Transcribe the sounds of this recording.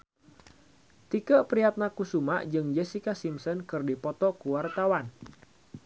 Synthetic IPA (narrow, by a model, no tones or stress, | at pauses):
t̪ikəpɾiat̪̚nakusumaʔd͡ʒɨŋd͡ʒɛsikasimsɔnkɨrdipɔt̪ɔkuwart̪awan